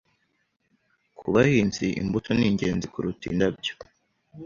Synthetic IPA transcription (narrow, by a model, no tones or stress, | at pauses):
kʰuβahiːnziʔḭmbutʰoniːŋɟe̞ːnzikuɾutḭːndab̚jo̥